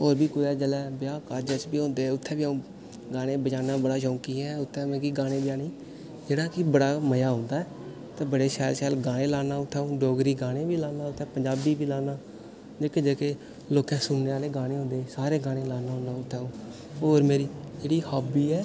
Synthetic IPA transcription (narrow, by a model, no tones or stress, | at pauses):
oːɾbiːkʊɛːd͡ʒəlɛːbjaːkaːɾd͡ʒət͡ʃbiːɦõːnd̪eːʊt̪ʰːɛ̃ːbiũː | ɡaːɽ̃ẽːbət͡ʃaːnaːbəɽaːʃõːŋkiːɛːʊt̪ʰːɛ̃ːmeːkiːɡaːɽ̃ẽːbəd͡ʒaːniː | d͡ʒeːɽaːkɪbəɽaːməjaːɦʊ̃ːnd̪aːɛː | t̪ẽːbəɽeːʃɛːlʃɛːlɡaːɽẽːlaːnaːʊt̪ʰːɛːũːɖoːɡɾiːɡaːɽ̃ẽːbiːlaːnaːʊt̪ʰːɛ̃ːpəɲd͡ʒaːbiːbiːlaːnaː | d͡ʒeːkeːd͡ʒeːkeː | loːkɛ̃ːsʊnneːaːleːɡaːɽ̃eːɦʊ̃nd̪eːsaːɾeːɡaːɽ̃eːlaːnaːɦõnaːʊt̪ʰːɛːũː | oːɾmeːɾiːd͡ʒeːɽiːhaːbiːɛː